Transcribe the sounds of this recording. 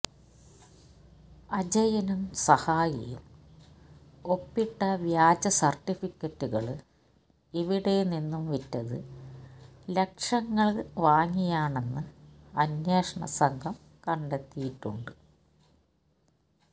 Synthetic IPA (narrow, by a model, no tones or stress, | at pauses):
ɐd͡ʑɐjɐnumsɐhaːjɐ̰jum | o̞pːiʈːɐʋjaːd͡ʑɐsɐrtːifikʲːɐtːuɣɐɭ | iʋiɽe̞ninːumʋitːɐðɨ | le̞kʂɐŋːɐɭʋaːŋːijaːɳe̞nːɨɐnːeːʂɐɳɐ̰sɐŋɡʰʱɐm | kɐɳɖet̪ːijiʈːuɳɖɨ